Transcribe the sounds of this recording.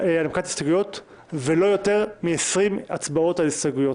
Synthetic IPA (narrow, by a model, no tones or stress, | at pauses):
alamkati̥staɡujo̞t | velo̞jo̞te̞ʁmiesʁimat͡sbao̞talistaɡujo̞t